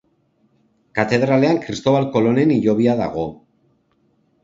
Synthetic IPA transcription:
kat̪e̞ðɾale̞aŋkɾist̪o̞βalko̞lo̞ne̞niʎo̞β̞iaða̰ɣ̞o̞

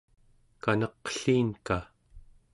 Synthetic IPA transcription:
kanʌqə̥ɬiːnka

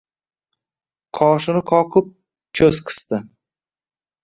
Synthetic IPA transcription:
qʰɒʃɪnɪqʰɒqʰɨp̚ | kʲʰɵzqʰɨ̥st̪ɪ

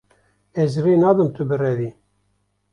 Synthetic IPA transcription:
ɛzrenɑːd̪ɨmt̪ʰɨbɨrɛðiː

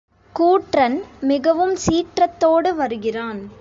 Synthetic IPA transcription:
kuːʈrɐnmɪɣɐʋɯmsiːʈrɐt̪ːoːɽɯʋɐɾɯɣɪraːn

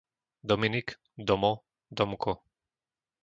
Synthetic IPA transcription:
d̪ɔminik | d̪ɔmɔ | d̪ɔmkʰɔ

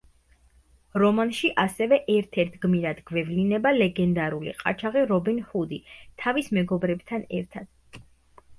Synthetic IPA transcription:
ɾɔmanʃiʔasɛvɛʔɛɾt̪ʰɛɾt̪ʰɡmiɾad̪ɡvɛvlinɛbalɛɡɛnd̪aɾulḭqʼa̰t͡ʃʰaʁiɾɔbinhud̪it̪ʰavismɛɡɔbɾɛbt̪ʰanɛ̰ɾt̪ʰad̪̥

